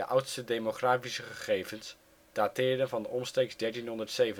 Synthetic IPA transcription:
əʔʌwtstədejmoχraːfisəχəχejvəns | d̥aːtɪːɹdənvɑndəʔɔmstejkzdɛɹtinɦɔndəɹtsejvə

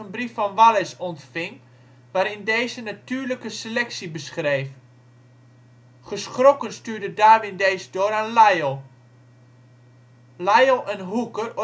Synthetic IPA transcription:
ənbrifːɔnʋalɪsɔntfɪŋ | ʋaːɾɪndeːzənatyːɹləkəselɛksibəsχrejf | χəsχrokənstyːɹdədaːʋɪndejzdoːɾanlajəlˠ | lajəlˠənɦukər

